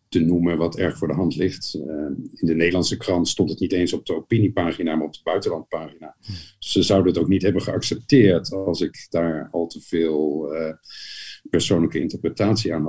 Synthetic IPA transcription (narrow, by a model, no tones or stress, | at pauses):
tənuməʋɑtʰɛɹχfʊːɹdəɦɑntlɪχt | ɪndənejdəlɑnsəkrɑntstɔntətnitejnsɔb̚dəopinipaːχinaːmaːɹɔp̚dəbœɥtəlɑnspaːχinḁsəzʌwdənətowknitɦɛbənχəɑksɛp̚tɪːɹtlˠsɪkdaːɹɑlˠtəv̥ɪːlˠ | pɛɹsownləkəɪ̰ntəɹprətaːtsiaːnɦɑ